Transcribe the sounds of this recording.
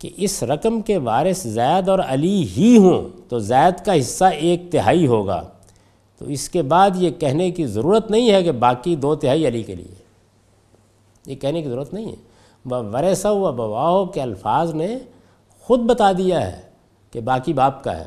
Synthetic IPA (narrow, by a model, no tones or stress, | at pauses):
kḛʔɪsɾɐkəmkeʋaːɾɪszaːjəd̪ɔːɾɐliɦiɦũt̪ozaːjəd̪kaɦɪsːaʔeːk̚t̪ɪɦaːiɦoːɡa̰ː | t̪o̰ɪskebaːd̪jekɛɦnekizɐɾuːɾət̪nɐɦĩɦɛkebaːkid̪oːt̪ɪɦaːiɐlikelḭḛ | jekɛɦnekizɐɾuːɾət̪nɐɦĩɦɛ̰ | ʋɐʋɐɾɛːsaʋɐbɐʋaːɦokeɐlfaːzne | xʊd̪̚bɐt̪ad̪ijaɦɛ̰ː | kebaːkibaːpka̰ɦɛ̰ː